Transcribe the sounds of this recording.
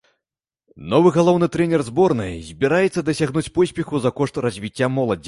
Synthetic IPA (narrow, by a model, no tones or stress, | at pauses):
nɔvɨɣalˠɔwnɨt̪ɾɛnʲɛrzbɔrnɨ̰jzʲbʲiɾajɛt̪sːɐd̪ɐsʲaɣnut͡sʲpɔsʲpʲɛxuzɐkɔʂt̪rɐzʲvʲit͡sʲːamɔlˠɐd͡zʲi